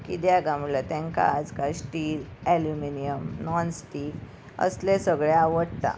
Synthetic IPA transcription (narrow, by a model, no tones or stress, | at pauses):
kid̪jaɡamilat̪ɛ̃ŋka̰ːd͡zkasʈiːlæluminijəmnɔnsʈiː | ə̰slesəɡɭeaʋəɽt̪a̰